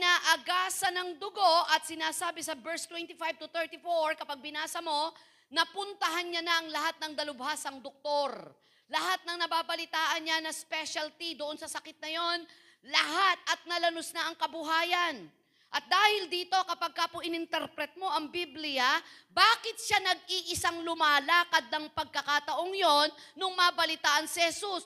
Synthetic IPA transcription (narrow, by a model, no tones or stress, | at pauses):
naːʔɐɡaːsɐnɐŋd̪ʊɡo̞ʔɐt̪̚sɪnaːsaːbɪsɐbɛɹst̪wɛnt̪ɪfajb̚t̪ʊt̪ɛɹt̪ɪfoɹkɐpaɡ̚bɪnaːsɐmo̞ | nɐpʊnt̪ɐɦanɲanɐʔɐŋlɐɦat̪̚nɐŋd̪ɐlʊbhasɐŋd̪ok̚t̪o̞ɾ | lɐɦat̪̚nɐŋnɐbaːbɐlɪt̪aːʔɐnɲanɐspɛʃɐlt̪id̪oʔonsɐsɐkɪt̪̚nɐjo̞n | lɐɦat̪̚ʔɐt̪̚nɐlɐnosnaʔɐŋkɐbʊɦaːjɐn | ʔɐt̪̚d̪aːhɪld̪iːt̪o̞kɐpaɡ̚kapʊʔɪnɪnt̪ɛɾpɾɛt̪̚mo̞ʔɐŋbiblɪjɐbaːkɪt̪̚ʃanɐɡ̚iʔɪsaŋlʊmaːlaːkɐd̪nɐŋpɐɡ̚kɐkat̪ɐʔo̞ŋjo̞nːʊŋmɐbɐlɪt̪aːʔɐnsɪhɛsus